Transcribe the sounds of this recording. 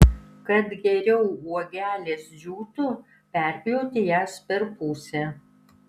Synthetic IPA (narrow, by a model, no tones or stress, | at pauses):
kɐt̪ɡʲɛɾʲɛʊuɔɡʲæːlʲeːsd͡ʒʲuːt̪ʊ | pʲæˑɾʲpʲɪjoːt̪ʲɪjæːspʲɛɾpuːsʲɛ